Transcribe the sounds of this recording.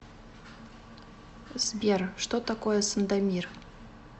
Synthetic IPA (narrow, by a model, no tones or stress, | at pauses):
zbʲerʂt̪ot̪akojəsənd̪amʲir